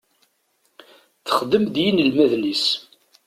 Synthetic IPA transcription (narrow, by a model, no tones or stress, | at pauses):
θə̥χd̪əmd̪jinəlmæðnis